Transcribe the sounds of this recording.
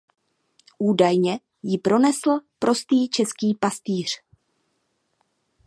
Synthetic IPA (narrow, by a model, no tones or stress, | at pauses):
ʔuːdajɲɛ | jɪpɾo̞nɛsl̩pɾo̞st̪iːt͡ʃɛskiːpast̪iːr̝̥